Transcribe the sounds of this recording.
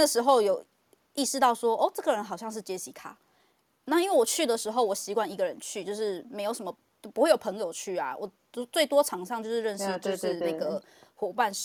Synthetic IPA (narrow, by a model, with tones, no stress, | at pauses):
a˥ɡə˩ʂɻ̩˧˥xo˥˧ʊjo˨˩ʊ | i˥˧ʂɻ̩˥˧t̪ɑ˥˩ʊʂwɔ˥ʔɔ˥˧ʈ͡ʂɤ˥˩ɡə˩ɻə˧˦nxɑ˨ʊɕjɑ˥˧ŋʂ̬ɻ̩˥˩t͡ɕje˥ɕi˨˩kʰa̰˨˦ | na˥˧i˥nwe˥˩wɔ˨˩t͡ɕʰy˥˩d̪ə˩ʂɻ̩˧˥ɦo˥˩ʊwɔ˨˩ɕi˧˥kwa˥˩ni˧˥ɡə˨ɻə˧˦nt͡ɕʰy˥˧t͡ɕjo˥˧ʊʂɻ̩˥˩me˧˥ɪjʊʂə˧˦mə˧˩˥pu˧˥we˥˩ɪjo˨˩ʊpʰə˧˥ŋjo˨ʊt͡ɕʰy˥˩a̰˨˩wɔ˨˩˧ | t͡swe˥˩ɪt̪wɔ˥ʈ͡ʂʰɑ˨˧˥ŋʂɑ˥˧ŋt͡ɕo˥˧ʊʂɻ̩˥˧ɻə˥˧nʂɻ̩˥˧t͡ɕo˥˧ʂɻ̩˥˧a˥˧ɡə˩ | xwɔ˨˩pa˥˧n